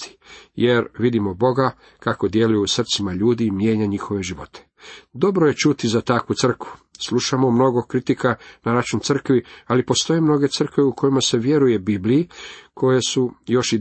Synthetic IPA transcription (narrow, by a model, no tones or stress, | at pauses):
t̪i̥jeɾʋid̪imo̞bo̞ɡa | kako̞d̪je̞lujusr̩t̪simaʎuːd̪iːmje̞ːɲaɲixo̞ʋe̞ʒiʋo̞̰t̪ʰe̥ | d̪o̞bɾoje̞t͡ʃut̪izat̪akʋut̪sr̩kʋuslˠuʃamomno̞ɡo̞kɾit̪ikanaɾat͡ʃunt̪sr̩kʋialipo̞st̪o̞je̞mno̞ɡe̞t̪sr̩kʋeukʰo̞jimase̞ʋje̞ɾuje̞biblijikʰo̞jesujo̞ʃi